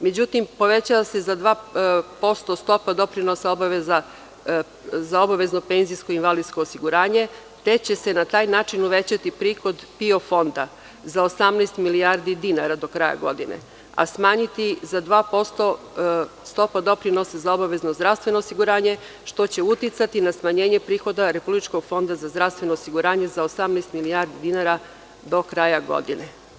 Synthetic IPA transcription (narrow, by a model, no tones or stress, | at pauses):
med͡ʑut̪impo̞ʋe̞t͡ɕaʋase̞zad̪ʋaːpo̞st̪o̞st̪o̞pad̪o̞pɾino̞sao̞baʋeza | zao̞baʋe̞zno̞pe̞nzijsko̞inʋalid̪skoːsiɡuɾaːɲe̞ | t̪e̞t͡ɕe̞senat̪aːjnaːt͡ʃinuʋet͡ɕat̪ipɾiːxo̞d̪pio̞fo̞nd̪a | zaosamnajst̪miliaɾd̪id̪inaɾad̪o̞kɾaja̰ɡo̞̰d̪inḛ | a̰smaːɲit̪izad̪ʋaːpo̞st̪o̞ | st̪o̞pad̪o̞pɾino̞sezaobaʋe̞zno̞zd̪ɾafst̪ʋe̞noːsiɡuɾaːɲe̞ | ʃt̪o̞t͡ɕe̞ut̪it̪sat̪inasmaɲeːɲepɾiːxo̞d̪aɾe̞publit͡ʃko̞ɡ̥fo̞nd̪azazd̪ɾaʋst̪ʋe̞noːsiɡuɾaːɲezaosamneːst̪milijaɾd̪id̪inaɾa | d̪o̞kɾajaɡo̞̰d̪ine